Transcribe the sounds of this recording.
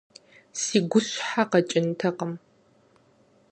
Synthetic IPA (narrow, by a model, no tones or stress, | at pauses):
siːɡʷʊɕħaqɐt͡ʃʼɪntʰɐqəm